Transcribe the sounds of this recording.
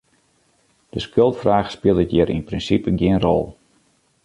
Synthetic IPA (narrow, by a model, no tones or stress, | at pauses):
d̥əskølˠtfraːχspɪlˠdətjɪɾḭnprinsipəɡjɪənrɔ̰lˠ